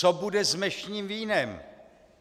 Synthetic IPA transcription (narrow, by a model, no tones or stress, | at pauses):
obudɛzmɛʃɲiːmviːnɛm